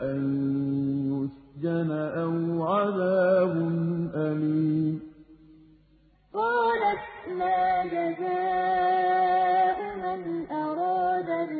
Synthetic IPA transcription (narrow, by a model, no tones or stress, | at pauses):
ʔan | jʊsd͡ʒanaʔawʕaðaːbʊnʔaliːm | qɑːlat̪maːd͡ʒazaː | ʔʊmanʔɑɾˤɑːd̪a